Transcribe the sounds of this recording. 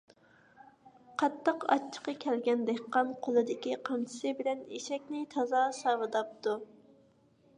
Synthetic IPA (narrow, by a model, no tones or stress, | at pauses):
qʰɑt̪ʰːəqɑ̰t͡ʃʰːə̥qɑkʲʰɛlɡʲɛnd̪ɛkʲqːɑnqʰolˠɨd̪ɪkʲiqʰɑmt͡ʃʰɪ̥sɨbɪlɛneʃɛkʲnɪt̪ʰɑzɑsɑwɨd̪ɑp̚t̪u